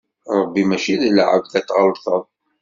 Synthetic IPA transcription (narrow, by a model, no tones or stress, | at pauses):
ɾˤəbːimæʃiðlʕə̰vθæt̪ːʁəlθəðˤ